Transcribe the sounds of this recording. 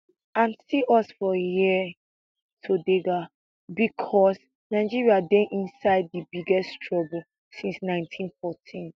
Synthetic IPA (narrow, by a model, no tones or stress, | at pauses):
ãnsiʔɔsfɔji | tʰodeɡa | bikʰɔs | naɪd͡ʒiɹiadɛ̃nʔĩnsaɪd̚dəbiɡɛstʰɹɔbəl | sĩnsnãɪ̃ntʰĩnfɔtʰĩn